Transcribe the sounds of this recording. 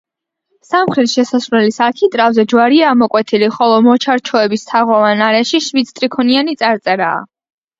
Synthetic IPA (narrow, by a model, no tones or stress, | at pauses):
samχɾit̪ʃɛsasɾwlɛlisakʰit̪ʼɾavzɛd͡ʒwaɾiaːmɔkʼwɛt̪ʰiliχɔlˠɔmɔt͡ʃʰaɾt͡ʃʰɔɛbist̪ʰaʁɔvanaɾɛʃiʃvit̪sʰt̪ʼɾikʰɔnianit̪sʼaɾt̪sʼɛɾa̰ː